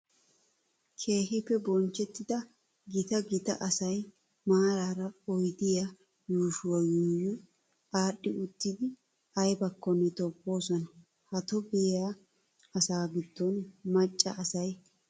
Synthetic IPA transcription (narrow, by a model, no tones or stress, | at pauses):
kʰe̞ːhɪpːɛbɔnt͡ʃːɛt̪ːɪd̪ɐ | ɡɪt̪ɐɡɪt̪ɐ̰ʔɐsɐj | maːɾaːɾɐɔjd̪ɪja | juːʃʊwɐjuːjʊ | aːɗːɪʊt̪ːɪd̪ɪ | ɐjbɐkːɔnːɛt̪ɔpʼːo̞ːsɔnɐ | hɐt̪ɔbɛjja | ɐsaːɡɪd̪̥ːɔnmɐt͡ʃʼːɐ̰ɐsɐj